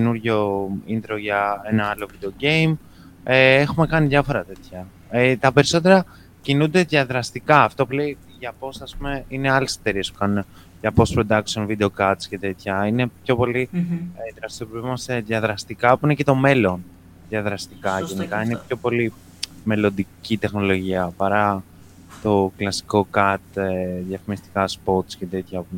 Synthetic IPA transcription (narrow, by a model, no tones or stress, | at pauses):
enuɾʝo̞ind̪ɾo̞ʝɐenɐɐlo̞vid̪e̞o̞ɟe̞im | eexume̞kɐniðʝɐfo̞ɾɐt̪e̞t̪çɐ | et̪ɐpe̞ɾiso̞t̪e̞ɾɐ | cinund̪e̞ðjɐðɾɐst̪ikɐːft̪o̞pulei | ʝɐpo̞sɐspume̞ine̞ɐlese̞̥t̪e̞ɾiespu̥kɐnune | ʝɐpo̞spɾo̞d̪ɐksio̞nvid̪e̞o̞kɐt̪sce̞t̪e̞t̪çɐine̞pço̞po̞liðɾɐst̪iopomɐseðʝɐðɾɐst̪ikɐpuine̞cet̪o̞me̞lo̞n | ðjɐðɾɐst̪ikɐʝe̞nikɐinepço̞po̞li | me̞lo̞nd̪icit̪e̞xno̞lo̞ʝiɐpɐɾɐ | t̪o̞klɐsi̥ko̞kɐt̪eðjɐfimist̪i̥kɐspo̞t̪sce̞t̪et̪çɐpu